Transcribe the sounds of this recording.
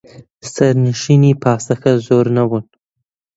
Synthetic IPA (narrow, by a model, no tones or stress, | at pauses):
saɾnɪʃinipɑːsaxazoɾnawun